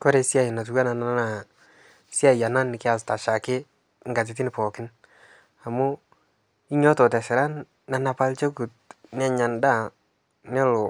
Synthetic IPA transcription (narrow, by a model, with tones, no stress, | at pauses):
kɔ˦ɾe˦si˦a˨ɪ˨na˨t̬u˨wa˦na˨na˦a˦na˨ | sja˨ja˨na˦nɪ˨kɪ˦a˨s̬ta˨ʃa˨kɪ˦ | ŋɡa˨t̬ɪ˨t̬i˦nɪ˨pɔ˨kɪ˦n | a˨mu˦ | i˦ɲɔ˦tɔ˨tɛ˨ʃɪ˨ɾa˦nː | a˨na˨pa˦lt͡ʃe˦ku˨t̚n˦a˦˨ɲa˨nda˦˨ | nɛ˦lo˨